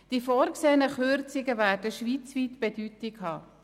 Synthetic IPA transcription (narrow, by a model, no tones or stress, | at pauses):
d̥ifoːɾkseːnəχøɾt͡sɪɡəvæːɾdəʃʋiːt͡sviːtb̥ɛdytɪkhɑː